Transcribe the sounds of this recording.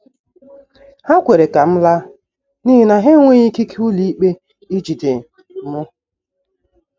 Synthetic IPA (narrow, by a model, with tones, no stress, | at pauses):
ha˦kʷe˨ɾe˨ka˨m̩˦la˦ | ni˦ɦi˦na˨ɦe˦ŋʷe˦i˦ki˦ku˦li˦i˦k͡pe˦ | i˦d͡ʒi˨de˨˦ | mʊ˦